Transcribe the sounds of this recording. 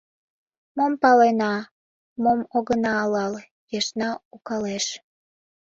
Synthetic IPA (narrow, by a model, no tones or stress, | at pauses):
mompɑlenɑ | momoɣənɑːlɑl | jeʃnɑukɑleʃ